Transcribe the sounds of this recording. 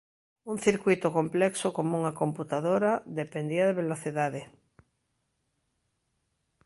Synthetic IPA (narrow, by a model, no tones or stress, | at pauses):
unθiɾkwit̪okomplɛksokomouŋakõ̞mput̪aðoɾaðepend̪iaðeβeloθiðaðe